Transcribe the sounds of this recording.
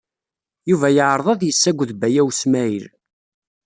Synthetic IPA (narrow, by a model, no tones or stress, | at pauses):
juvæjəʕɾˤðˤɑðjəsːæɡʷːðbæjæwsmæiɾ